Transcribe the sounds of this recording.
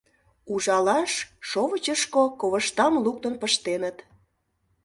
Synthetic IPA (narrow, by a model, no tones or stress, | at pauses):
uʒɑlɑʃʃoβət͡ɕəʃkokoβəʃt̪ɑmluk̚t̪ənpəʃt̪enət̪